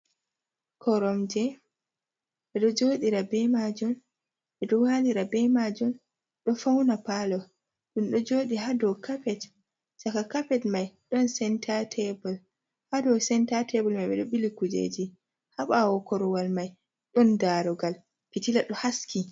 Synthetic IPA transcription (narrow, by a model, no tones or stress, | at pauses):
kʰɔɾɔmd͡ʒɛ | ɓɛɗɔd͡ʒoːɗiɾabɛmad͡ʒum | ɓɛɗɔwaːliɾabɛmad͡ʒum | ɗɔfawnapalɔ | ɗumɗɔd͡ʒoːɗiɦadɔwkapɛt | sakakapɛtmajɗɔnsɛntʰatʰɛbɔl | hadɔwsɛntatɛbɔlmajɓɛ̰ɗɔɓilikud͡ʒḛd͡ʒi | haɓawɔkɔɾɔwalmaj | ɗɔndaɾɔɡal | pitilaɗɔhaskʰi